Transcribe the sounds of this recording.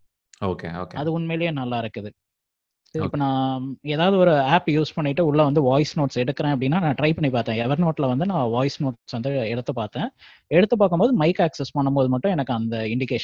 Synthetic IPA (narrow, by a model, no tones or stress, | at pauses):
o̰ːkḛo̰ːkɐðɯʊnmeːlɐjeːnɐlːaːɪɾɯkːɯðɯ | ɪpːɐnãːeːðaːʋðɯɔɾɯaːpjuːspɐɳːɪʈːɯʊɭːɐʋɐnd̪ɯʋaːɪsnoːʈsɛɽɯkːɪɾẽːɐp̬ːɐɽɪnːaːnãːʈɾɐɪpɐɳːipaːɾt̪ẽːɛʋɐɾnoːʈːɪlɐʋɐnd̪ɯnãːʋaːjɪsnoːʈsʋɐnd̪ɯɛɽɯt̪ːɯpaːɾt̪ẽː | ɛɽɯt̪ːɯpːaːɾkːɯmboːðɯmɐɪkaːksɛspɐɳːɯmpoːðɯmɐʈːʊ̃ɛnɐkːɯɐnd̪ɐɪɳɖɪkeːʃ